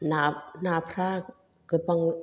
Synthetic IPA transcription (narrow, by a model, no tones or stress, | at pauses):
nanaːpʰɾaː | kɯpaŋ